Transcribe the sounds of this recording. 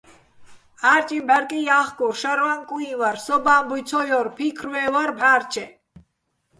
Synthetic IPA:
aɾt͡ʃʼibɛɾkʼijaχkʼuʃɛɾwaŋkʼũĩvaɾsɔbaːmbujt͡sʰɔjɔɾpʰikʰɾwɛwaɾbʱaːɾt͡ʃʰɛ

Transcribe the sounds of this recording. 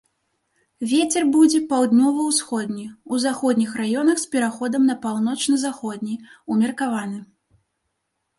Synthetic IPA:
vʲet͡sʲɛrbud͡zʲɛpawd̪ʲnʲɔvɐwsxɔd̪ʲnʲɛuzaxɔd̪ʲnʲixrajɔnɐxspʲɛɾaxɔd̪ɐmnɐpawnɔt͡ʂnɐzaxɔd̪̚ʲnʲijumʲɐrkavanɨ

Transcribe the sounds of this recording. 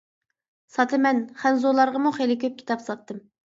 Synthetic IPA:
sɑt̪ʰɨmɛnχɛnzolˠɑɾʁəmuχelɪkʲʰøp̚kʲi̥t̪ɑpsɑt̪ːɨm

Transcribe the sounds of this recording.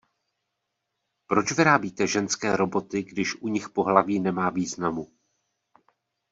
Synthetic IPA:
pɾo̞t͡ʃvɪɾaːbiːt̪ɛʒɛnskɛːɾo̞bo̞t̪ɪɡdɪʃʔuɲɪxpo̞ɦlaviːnɛmaːviːznamu

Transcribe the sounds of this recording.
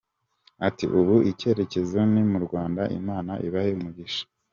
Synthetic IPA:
atiʔuβuʔice̞ɾe̞ce̞zonimuɾɡwaːndaʔḭmaːnaʔiβaheumuɟiʃḁ

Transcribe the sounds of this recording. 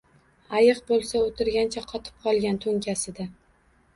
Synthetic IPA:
ajɨq̚bolˠsaot̪ʰɪɾɡʲant͡ʃʰaqʰɒt̪ʰɪ̥p̚qʰɒlˠɡʲant̪ʰɵŋkʲʰasɪd̪a

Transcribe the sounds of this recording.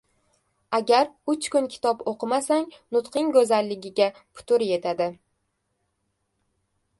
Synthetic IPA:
aɡʲaɾʊt͡ʃkʊnkʲʰɪ̥t̪ʰɒpoqɨmasaŋnʊt̪qʰɪŋɡɵzallːɪɡʲɪɡʲapʰʊ̥t̪ʰʊɾje̞t̪ʰad̪ɪ

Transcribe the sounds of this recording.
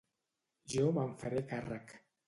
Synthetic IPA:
ʒomaɱfaɾekarak

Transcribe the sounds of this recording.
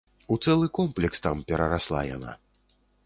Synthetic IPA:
ut̪sɛlˠɨkɔmplʲɛkst̪ampʲɛɾɐɾaslˠa̰ja̰na̰

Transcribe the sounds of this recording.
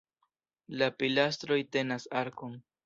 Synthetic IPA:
lapilast̪ɾojt̪enasaɾkoŋ

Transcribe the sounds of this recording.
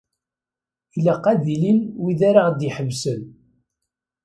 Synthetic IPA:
læqːæðilinwiðaɾaʁd̪iħəvsən

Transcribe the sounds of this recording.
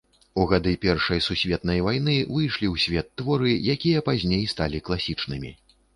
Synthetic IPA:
uɣad̪ɨpʲɛrʂɐjsusʲvʲɛt̪̚nɐjvajnɨvɨjʂlʲiwsʲvʲɛt̪ːvɔɾɨjakʲijɐpazʲnʲejst̪alʲiklˠasʲit͡ʂnɨmʲḭ

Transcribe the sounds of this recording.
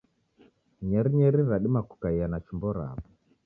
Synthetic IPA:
ɲɛɾiɲɛɾiɾaɗimaku̥kaijanat͡ʃimbɔɾa̰βɔ

